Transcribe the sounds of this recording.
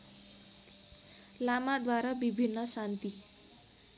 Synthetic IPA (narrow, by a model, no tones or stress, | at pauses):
lamad̪waɾabibʱinːʌsant̪i